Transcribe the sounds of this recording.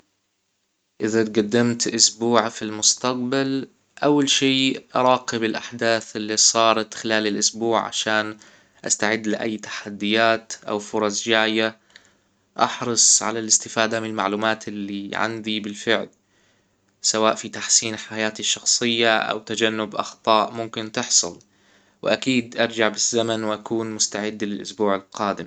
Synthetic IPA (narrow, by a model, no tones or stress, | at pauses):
ʔɪðat̪ɡad̪ːamt̪ʔʊsbuːʕfilmʊst̪aq̚bal | ʔawːalʃeːʔɑɾˤɑːqɪbɪlʔaħd̪aːθɪlːisˤɑːɾˤɑt̪xɪlaːlɪlʔʊsbuːʕʕa̰ʃaːn | ʔa̰st̪aʕɪd̪ːlɪʔa̰jːt̪ḁħad̪ːɪjaːt̪ʔa̰wfʊɾˤɑsˤd͡ʒaːja | ʔɑ̰ħɾɨsˤʕa̰lalɪst̪ɪfaːd̪amɪnɪlma̰ʕluːmaːt̪ɪlːiʕa̰nd̪ibɪlfɪʕl | sawaːʔfit̪aħsiːnħajaːt̪ɪʃːɑxsˤɨjːaʔa̰wt̪ad͡ʒanːʊbʔɑ̰xt̪ˤɑːʔmʊmkɪnt̪ɪħsˤʊ̰l | wɪʔakiːd̪ʔɑɾˤd͡ʒaʕbɪzːamanwʔakuːnmʊst̪aʕɪd̪ːlɪlʔʊ̰sbuːʕɪlqɑːd̪ɪm